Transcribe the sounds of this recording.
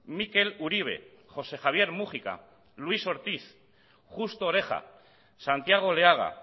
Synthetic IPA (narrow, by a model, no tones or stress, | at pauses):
mike̞luɾiβ̞e̞̰ | xo̞se̞xaβ̞je̞ɾmuχika̰ | lwiso̞ɾt̪iθ | xust̪oːɾe̞xa̰ | sant̪jaɣ̞o̞leaɣ̞a̰